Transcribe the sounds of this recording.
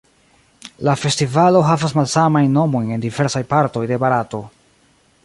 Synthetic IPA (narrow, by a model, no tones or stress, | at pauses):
lafe̞stivalo̞ɦavasmalsamajnːo̞mo̞jne̞ndive̞ɾsajpaɾto̞jde̞baɾato̞